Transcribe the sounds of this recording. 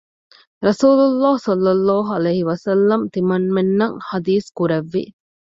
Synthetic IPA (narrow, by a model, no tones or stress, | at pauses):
ɾɐsuːlulːaːhsɐlːɐlːaːɦuɐlɐjɦiʋɐsɐlːɐmt̪imɐnmenːɐŋhɐd̪iːskuɾɐʋːḭ